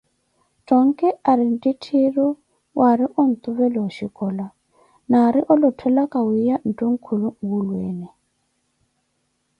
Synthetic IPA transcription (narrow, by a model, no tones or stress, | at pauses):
tʼɔŋ̩kʼɛaɾɪn̩ditʰirɔ | waɾɪʔʊn̩t̪ʼʊβɛlɔwaʃikʼɔːla | naɾɪʔɔlɔtʰwɛlakʼawijan̩tʼɔŋ̩kʰulʊŋ̩ɡulwḛːnɛ